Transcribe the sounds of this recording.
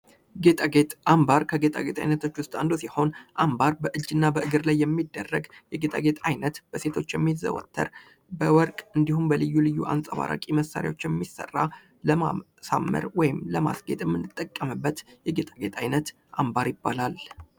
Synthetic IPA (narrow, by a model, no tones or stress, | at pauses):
ɡet̪ʼaɡet̪ambaɾkʰəɡe̞t̪ʼa̰ɡe̞t̪ʼa̰jnət̪ʰo̞t͡ʃːwʊst̪ʼand̪osiho̞nʔambaɾbəʔɨd͡ʒːɨnːabəʔɨɡɨɾlajːɛmːid̪ːərːəɡjɛɡet̪ʼa̰ɡe̞t̪ʰʼajnət̪b̥əse̞t̪ʰo̞t͡ʃːjɛmːizə̰wɔ̰t̪ʰːə̰ɾ | bəwɔɾkʼɨnd̪ihumbəlɨjːulɨjːuʔa̰nsʼaβa̰ɾa̰kʼiməsːa̰ɾj̰wot͡ʃːjɛmːisːə̰rːa | ləma | sa̰mːə̰ɾwɔjɪmləma̰sɡe̞t̪ʼjɛmːɨnːɨt̪ʼːəkʼːəmɨbːət̪jɛɡe̞t̪ʼaɡe̞t̪ʰʼajnət̪ | ʔambaɾjɪbːalal